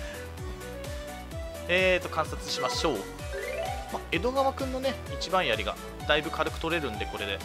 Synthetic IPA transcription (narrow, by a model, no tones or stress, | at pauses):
eːt̪ːo̞kãɰ̃sat͡sɨɕimaɕo̞ː | mae̞d̪o̞ɡaβakɯ̟̃nːo̞ne̞ | it͡ɕibãɰ̃jaɾʲiɡa̰ | d̪̥aibɯ̟kaɾɯ̟kɯ̟̥t̪o̞ɾe̞ɾɯ̟̃nd̪e̞ko̞ɾe̞d̪e̞